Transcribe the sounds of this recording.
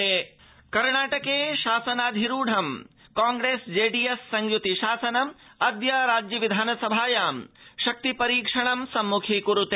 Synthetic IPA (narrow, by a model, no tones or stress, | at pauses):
eː | kɐɾɳaːʈɐkeːʃaːsɐnaːd̪ʱiɾuːɖʱɐmkaːŋɡɾeːsd͡ʒeːɖijesːɐŋɡjut̪iʃaːsɐnɐmɐd̪jɐɾaːd͡ʒjɐʋid̪ʱaːnɐsɐbʱaːjaːmʃɐk̚t̪ipɐɾiːkʂɐɳɐmsɐmːukʰikuɾut̪eː